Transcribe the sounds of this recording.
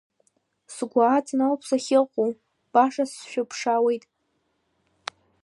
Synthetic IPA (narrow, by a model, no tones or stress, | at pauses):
sɡʷaːt͡sʰinalpʰsaχʲɪqʷʼu | b̥aʂasʃᶣʊpʰʂawe̞jtʼ